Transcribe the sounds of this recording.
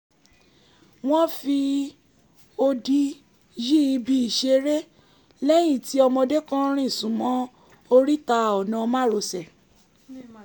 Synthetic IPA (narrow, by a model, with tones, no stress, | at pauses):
w̃ɔ̃˦fi˧ | o˧di˧ | ji˦i˧bi˧i˨ʃe˧ɾe˦ | lɛ˦jĩ˦˨ti˨˦ɔ˧mɔ̃˧de˦kã˦ɾ̃ĩ˦˨sũ˨mɔ̃˨˦ | o˧ɾi˦ta˧ɔ˨nã˨˧mã˦ɾo˧sɛ˨